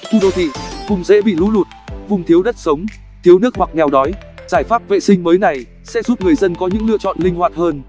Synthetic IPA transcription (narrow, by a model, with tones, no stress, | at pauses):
t̪ʰu˧ɗo˧t̪ʰḭ˧˨kʊ˨˩ŋ͡mzḛ˧˥ɓḭ˧˨lṵ˧˥lu˨˩t̚vʊ˨˩ŋ͡mt̪ʰi˨˦wɗə˦˥t̚sə˨˦wŋ͡m | t̪ʰi˨˦əwnɨ˦˥ək̚hwa˨˩k̚ŋɛ˨˩wɗɔ˨˦jzaː˧˩jfaː˦˥p̚vḛ˧˨sï˧ŋməː˨˦jna˨˩j | sɛ̰˧˥zu˦˥p̚ŋɨ˨˩əjzə˧nkɔ˨˦ɲɨ̰˧˥ŋlɨ̰˧˨ət͡ɕɔ̰˧˨nlï˧ŋ̟hwaː˧˨t̚həː˧n